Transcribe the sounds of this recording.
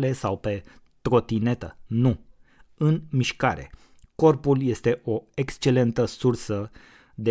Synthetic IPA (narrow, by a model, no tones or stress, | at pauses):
le̞sawpe̞ | t̪ɾo̞t̪ine̞t̪ənu | ɨnmiʃkaɾe̞̰ | ko̞rpulje̞st̪e̞ʔo̞ekst͡ʃe̞le̞nt̪əsursə | d̪e